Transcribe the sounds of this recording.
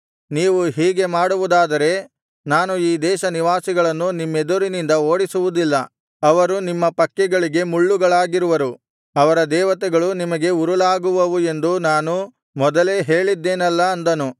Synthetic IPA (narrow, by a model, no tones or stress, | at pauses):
niːʋuɦiːɡe̞maːɽuʋud̪aːd̪ɐɾe̞ | naːnuiːd̪ɛːʃɐniʋaːsiɡɐɭɐnːunimːed̪uɾinind̪ɐo̞ːɽisuʋud̪ilːɐ | ɐʋɐɾunimːɐpɐkːɛɡɐɭiɡe̞muɭːuɡɐɭaːɡiɾuʋɐɾu | ɐʋɐɾɐd̪ɛːʋɐt̪ɛɡɐɭunimɐɡe̞uɾulaːɡuʋɐʋue̞nd̪unaːnu | mɔd̪ɐle̞ːɦe̞ːɭid̪ːeːnɐlːɐːnd̪ɐnu